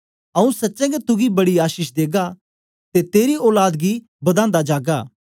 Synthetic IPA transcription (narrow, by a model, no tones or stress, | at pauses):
ɐũsɐtːʃɛ̃ːɡet̪ʊɡibɐɽiaːʃɪʃd̪eːɡa | t̪et̪eːɾioːlaːd̪ɡi | bɐd̪ãːnd̪ad͡ʒaːɡaː